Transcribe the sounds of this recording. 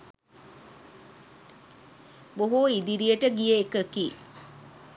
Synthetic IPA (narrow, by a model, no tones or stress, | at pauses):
boɦuid̪iɾijəʈəɡijəekəki